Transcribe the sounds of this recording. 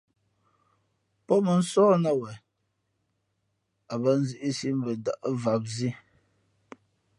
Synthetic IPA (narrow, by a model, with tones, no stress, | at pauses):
pɔ˦mə˨n̩˦sɔː˦na˦wɛ˨ | a˨bə˦n̩˦zi˦ʔi˦si˦m̩˦bə˨da˨ʔə˦va˨p̚zi˦